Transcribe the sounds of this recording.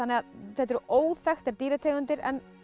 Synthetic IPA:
anːɛɣaðθɛt̪ɾoːwðfɛxt̪ɛɾt̪iːɾat̪ʰeːɣʏnt̪ɪɾɛ̰n

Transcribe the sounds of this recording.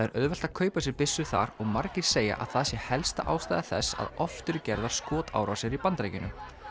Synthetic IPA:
aɛɾʔœðvɛl̥t̪akʰœːɥpasjɪɛɾpɪsːʏθa̰ɾɔɣmaɾcɪɾ̥seːja̰ʔa̰ðθaðsjɛhɛlst̪aʔa̰ːwst̪aːjðaθɛsːa̰ðɔft̪ʏɾʏcɛɾðaɾ̥skɔːt̪a̰ːwɾasjɛɾipant̪ɾejcɪnʏ̰m

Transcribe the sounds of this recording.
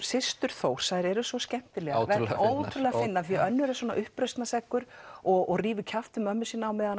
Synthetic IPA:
sɪst̪ʏɾ̥θowr̥sajɾɛɾʏsvɔscɛm̥t̪ɪlɛɣatvɛowt̪ʰʏɾlɛɣafɪnːaθfiaœnːʏɾaswɔːnaʔʏhpɾœɥst̪nasɛkːʏɾɔɣɔɣriːvʏcʰaft̪ʏmœmːʏsiːnaːwmɛːðan

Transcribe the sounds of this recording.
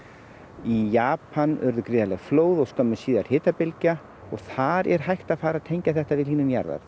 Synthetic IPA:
ijaːpʰanœ̰ɾðʏkɾɪːðalɛɣfloːwðɔɣst̪œmːʏsiːðaɾ̥hɪːt̪apɪlca | ɔɣθaɾɛ̰ɾ̥ɦajht̪aðfaːɾaðt̪ʰejɲcaθɛht̪avɪðliːnʏmja̰ɾða̰ɾ

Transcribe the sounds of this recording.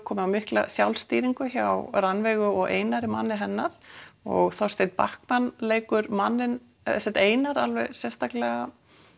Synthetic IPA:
kʰɔːmɪawmɪhkla̰sjawlst̪iːɾiŋkʏçawɾanvɛɣʏɔɣḛːjnaɾɪmanːɪɦɛnːaɾ̥ɔ̰ɣθɔst̪ejt̪̚pa̰hkmanleːjkʏɾmanːɪn | sɛt̪eːjnaɾalvɛ̰sjɛ̥st̪aklɛɣa

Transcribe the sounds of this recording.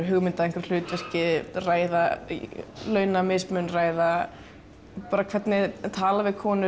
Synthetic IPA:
ɦʏɣmɪnt̪aðeŋkvɪɾ̥l̥ʏːt̪vɛr̥cɪraːjða | lœːɥnamɪsmʏnraːjða | paːɾakʰvɛt̪nɪt̪ʰaːlavɪðkʰɔːnʏ

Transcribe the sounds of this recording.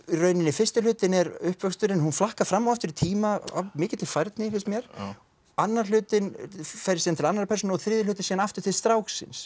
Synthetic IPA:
rœːɥnɪnːɪfɪrst̪ɪlʏːt̪ɪnɛɾʏhpvœkst̪ʏɾɪnhunflahkaɾfɾamːawaft̪ʏɾit̪ʰiːmaa̰mɪːcɪt̪ɪlfajɾt̪nɪlɪst̪mjɛɾ̥ | anːaɾl̥ʏːt̪ɪnfɛɾɪsiːðant̪ʰɪlanːaɾapʰɛɾs̬ɔnɪɔθɾɪːðɪlʏːt̪ɪ̥siːðanaft̪ʏɾ̥t̪ʰɪst̪ɾaːwksɪ̰ns

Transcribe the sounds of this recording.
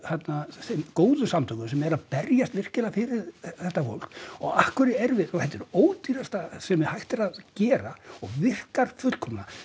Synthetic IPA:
hat̪nasemkoːwðʏsamt̪ʰœɥkʏsɛmɛɾaðpɛɾjast̪vɪr̥cɪlafɪɾɪɾθɛht̪ːafo̰wl̥kɔɣahkvʏɾɪɛɾvɪðɔɣθɛt̪ːɛɾoːwt̪iɾast̪asɛmɪhajht̪ɪɾaðcɛːɾaɔɣvɪr̥kaɾ̥fʏt̪l̥kʰɔmna

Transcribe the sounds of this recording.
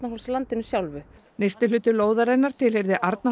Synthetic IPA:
t̪naɦowlslant̪ɪnʏsjawlvʏ | nejst̪ɪlʏːt̪ʏloːwðaɾejnaɾ̥t̪ʰɪlhejɾðɪʔaɾt̪na

